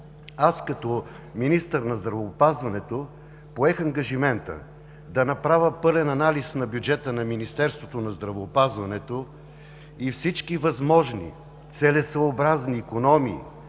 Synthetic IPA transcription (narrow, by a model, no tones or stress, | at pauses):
askɐt̪ɔ | minist̪əɾnɐzd̪ɾɐvoːpazvɐnɛt̪o | poɛxɐŋɡɐʒimɛnt̪ə̰ | d̪ɐnɐpɾavʲəpɤlɛnɐnalisnɐbjud͡ʒɛt̪ənɐminist̪ɛɾst̪vot̪onɐzd̪ɾɐvoːpazvɐnɛt̪o | ifsit͡ʃkivɐzmɔʒnḭ | t̪sɛlɛsvəːbɾazniːkonɔmḭː